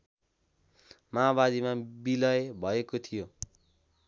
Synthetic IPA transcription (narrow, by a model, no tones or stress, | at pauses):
maːbad̪imabilʌebʱʌekot̪ʰijo